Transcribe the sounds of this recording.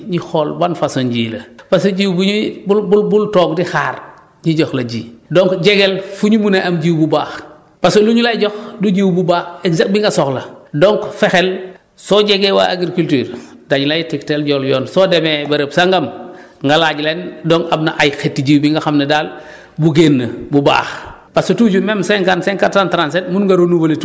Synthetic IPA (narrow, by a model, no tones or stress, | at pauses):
ɲixɔlbanfasonɟiːlɐ̰pasoɟiwbuɲibububultɔːɡdixaːɾ | ɲiɟɔxlɐɟḭːdɔŋkɟeɡelfuɲumuneʔamɟiwbubaːx | pasoluɲulajɟɔxduɟiwbubaːxeɡzak̚t̚biŋɡasɔxlɐdɔŋkfɛxel | sɔːɟeɡewa̰ʔaɡɾikultyːɾ | daɲulajitiktelɟɔljɔːnsɔːdemebɐɾəbsaŋɡɐm | ŋɡalaːɟlendɔŋɡabna̰ʔajxetːiɟiwbiŋɡaxamnɐdaːl | buɡeːnːɐbuba̰ːx | pasotuɟumemseŋkanseŋkatantɾans̬etmunŋɡaɾonuvolet